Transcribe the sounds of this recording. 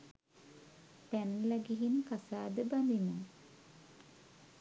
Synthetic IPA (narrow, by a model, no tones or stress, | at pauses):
t̪ænlæɡiɦinkasaːd̪əband̪imu